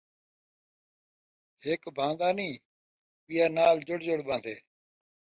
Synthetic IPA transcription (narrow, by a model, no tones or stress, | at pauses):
heːkbʱãːnd̪aːnĩː | ɓijaːnaːld͡ʒʊɽd͡ʒəɽɓãːd̪eː